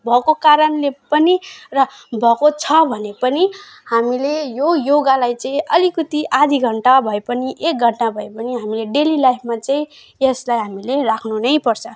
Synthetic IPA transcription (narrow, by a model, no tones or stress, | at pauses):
bʱʌkokaɾʌnlepʌnirʌ | bʱʌkot͡sʰʌbʱʌnepʌni | hamilejojoɡalajt͡sãĩʌlikut̪iʔad̪ʱiɡʱʌɳʈabʱʌepʌniʔek̚ɡʱʌɳʈabʱʌepʌniɦamileɖelilajpʰmat͡saĩ | eslajɦamilerakʰnunʌjpʌrt͡sʰʌ